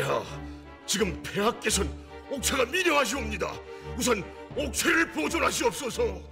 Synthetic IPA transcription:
a | t͡ɕiɡɯmpʰe̞ɦak̚k͈e̞sʰʌn | ok̚sʰaɡamiɾjʌɦaɕ̬ʰiomɲida̰us̬ʰʌn | ok̚sʰeɾɯɭpod͡ʑoɾɦaɕ̬ʰiʌp̚s͈ʌsʰo

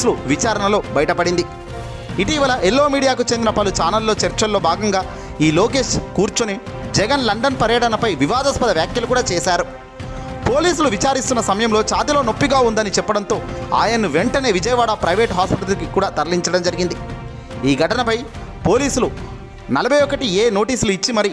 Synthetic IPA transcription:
suluʋit͡ʃaːɾɐnɐlo̞ːbɐjɐʈɐpɐɽind̪i | iʈiːʋɐlɐʔelːo̞ːmiːɽijaːkut͡ʃend̪inɐpɐlut͡ʃaːnɐlːo̞ːt͡ʃeɾt͡ʃɐlːo̞ːbʱaːɡɐŋɡaː | iːloːke̞ːʃkuːɾt͡ʃuni | d͡ʒɛɡɐnlɐɳɖɐnpɐɾjɐʈɐnɐpɐjʋiʋaːd̪ɐspɐd̪ɐʋjaːkjɐlukuːɽaːt͡ʃɛːʃaːɾu | po̞ːliːsuluʋit͡ʃaːɾist̪unːɐsɐmɐjɐmlo̞ːt͡ʃaːt̪ilo̞ːno̞pːiɡaːund̪ɐnit͡ʃɛpːɐɽɐnt̪o̞ːa̰ːjɐnuʋeɳʈɐne̞ːʋid͡ʒɐjɐʋaːɽɐpɾɐjʋe̞ːʈɦaːspiʈɐɐlkikuːɽaːt̪ɐɾɐliɲt͡ʃɐɽɐmd͡ʒɐɾiɡind̪i | iːɡʱɐʈɐnɐpɐj | po̞ːliːsulu | nɐlɐbʱɐjɔkːɐʈieːno̞ːʈiːsuluit͡ʃːimɐɾi

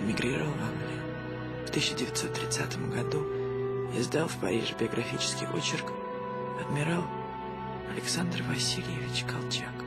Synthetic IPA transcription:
ɪmʲɪɡɾʲiɾəvəlˠvaŋɡlʲɪjʊ | ft̪ɨɕːɪdʲɪvʲɪt̪so̞t̪ːɾʲɪt̪sat̪əmɡɐd̪u | ɪzd̪alˠfpɐ̰ɾʲḭʐɨbʲɪɐɡɾʔɐfʲit͡ɕɪ̥skʲɪ̰jʔo̞̰t͡ɕɪrk | ɐd̪mʲɪɾalˠ | ɐlʲɪksand̪rvɐsʲilʲjɪvʲɪt͡ɕkʰɐlˠt͡ɕak

